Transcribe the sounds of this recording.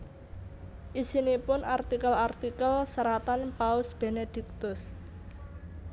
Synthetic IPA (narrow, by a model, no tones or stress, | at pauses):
ʔisinipʊnart̪ikəlart̪ikəlsəɾat̪anpaʊsb̥e̤ned̪̥i̤k̚t̪ʊs